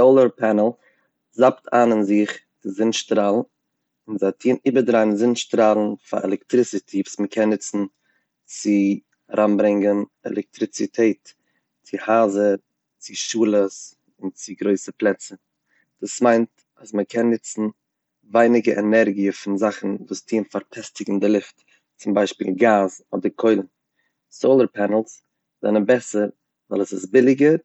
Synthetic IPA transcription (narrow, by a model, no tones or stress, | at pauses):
oʊlˠəɾpʰɛnəl̩ˠ | zaptʰaːnɪnzɪχdɪzɪnʃtɾaːlˠn̩ | ɪnzatʰiːniːbədɾaɪnzɪnʃtɾaːlˠn̩fa̰ʔɛ̰lˠɛktɾɪsɪtʰivusməkʰɛnːɪt͡sn̩ | t͡sɪ | aɾʔanbɾɪŋɡənɛ̰lˠɛk̚tɾɪt͡sɪtʰeɪːt | t͡sɪhaːzə | t͡sɪʃuːlˠəs | ʊnt͡sɪɡɾoɪsəplˠɛt͡sə | d̥uːsmaɪnt | asməkʰɛnːɪt͡sn̩ | vaɪnɪɡəʔɛnɛɾɡiəfɪnzaχn̩vuːstʰiːnfaɾpʰɛstɪɡŋ̩dɪlˠɪft | t͡sʊmbaɪʃpḭːlˠɡaːzɔ̰dəɾkʰɔɪlˠn̩ | soʊlˠəɾpʰɛnəl̩ˠs | zɛ̰nənbɛsəɾ | vɛ̰lˠəsɪsbɪlˠɪɡə